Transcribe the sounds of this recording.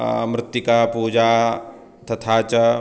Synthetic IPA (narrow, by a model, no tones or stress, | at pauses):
mɾɪt̪ːjikapuːd͡ʒaː | t̪ɐt̪ʰaːt͡ʃɐ